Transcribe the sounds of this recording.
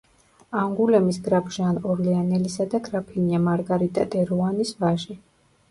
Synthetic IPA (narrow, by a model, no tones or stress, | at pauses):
aŋɡulɛmisɡɾapʰʒanɔɾlɛanɛlisad̪aɡɾapʰiniamaɾɡaɾit̪ʼa̰d̪ʼɛɾɔanisvaʒi